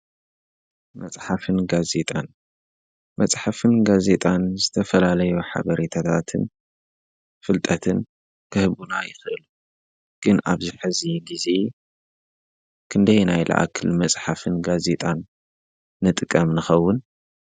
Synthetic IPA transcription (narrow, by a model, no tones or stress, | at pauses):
mɐt͡sʼħafɨnɡaze̞t̪ʼan | mɐt͡sʼħafɨnɡaze̞t̪ʼanzɨt̪ʰɐfɐlalɐjuħa̰βɐɾit̪ʰat̪ʰat̪ʰɨn | fɨlt̪ʼɐt̪ʰɨn | kʰɨhɨβuna̰jɪxʔɨlu | ɡ̥ɨna̰βziħɨziɡize̞ | kʰɨnd̪ɐjnajlʔɐ̰ʔa̰kʰɨlmɐt͡sʼħafɨnɡazet̪ʼanː | ɨt̪ʼɨkʼːɐmnɨxɐwːʊn